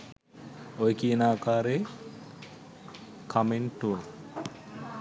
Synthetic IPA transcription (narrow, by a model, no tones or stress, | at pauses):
ojkienaːkaːɾe | kʰameɳʈua